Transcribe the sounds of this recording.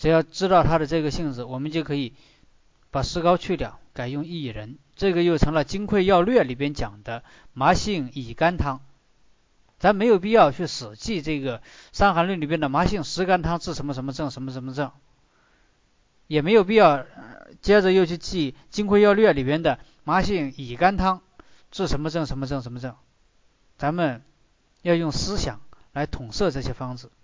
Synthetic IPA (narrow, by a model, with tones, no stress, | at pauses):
ʈ͡ʂɻ̩˨˩jɑ˥˩ʊʈ͡ʂɻ̩˥t̪ɑ˥˩ʊt̪ʰa˥d̪ə˨ʈ͡ʂɤ˥˩ɡə˩ɕi˥˧ŋʈ͡ʂɻ̩˧˩wɔ˨˩mə˦nt͡ɕjo˥˩ʊkʰɤ˧˥i˨˩ | pa˨˩ʂɹ̩˥kɑ˥ʊt͡ɕʰy˥˩ljɑ̰˨˩˦ʊka˨˩ɪjʊ˥˧ŋi˥˩ɻə˧˥n | ʈ͡ʂɤ˥˩ɡə˩jo˥˩ʊʈ͡ʂʰɤ˧˥ŋlə˧t͡ɕi˥ŋkʰwe˥˧ɪjɑ˥˧ʊlɥɛ˥˩li˨˩pjɛ˥nt͡ɕjɑ˨˩ŋd̪ə˦ | ma˧˥ɕi˥˩ŋi˨˩ka˥nt̪ʰɑ˥ŋ | t̪ʰa˥me˧˥ɪjo˨˩ʊp̬i˥˧jɑ˥˧ʊt͡ɕʰy˥˩ʂɹ̩˨˩t͡ɕi˥˧ʈ͡ʂɤ˥˩ɡə˩ʂa˥ŋxa˧˥nlɥnli˨˩p̬jnd̪ə˨˩ma˧˥ɕi˥˩ŋʂɻ̩˧˥ka˥nt̪ʰɑ˥ŋʈ͡ʂɻ̩˥˩ʂə˧˥nmə˧ʂ̬ə˧˥nmə˧ʈ͡ʂɤ˥˩ŋʂə˧˥nmə˧ʂ̬ə˧˥nmə˧ʈ͡ʂɤ˥˩ŋ | jɛ˨˩me˧˥ɪjo˨˩pi˥˧jɑ˥˩ʊt͡ɕjɛ˥ʈ͡ʂə˧˨jo˥˧ʊt͡ɕʰy˥˧t͡ɕi˥˩t͡ɕi˥ŋkʰwe˥˧jɑ˥˧ʊlɥɛ˥˩li˨˩pjɛ˥nd̪ə˨ | ma˧˥ɕi˥˩ŋi˨˩ka˥nt̪ʰɑ˥ŋ | ʈ͡ʂɻ̩˥˩ʂə˧˥nmə˧ʈ͡ʂɤ˥˩ŋʂə˧˥nmə˧ʈ͡ʂɤ˥˩ŋʂə˧˥nmə˧ʈ͡ʂɤ˥˩ŋ | t͡sa˧˥nmə˨n | jɑ˥˧ʊjʊ˥˩ŋsɹ̩˥ɕjɑ̰˨˩˦ŋla˧˥ɪt̪ʰʊ˨˩ŋʂɤ˥˧ʈ͡ʂɤ˥˩ɕjɛ˥fɑ˥ŋd͡zɹ̩˨˩